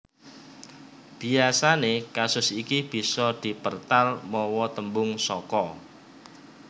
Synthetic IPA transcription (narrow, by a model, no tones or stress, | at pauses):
b̥i̤asanekasʊsikib̥i̤sɔd̪̥i̤pərt̪almɔwɔt̪əmbʊŋsɔkɔ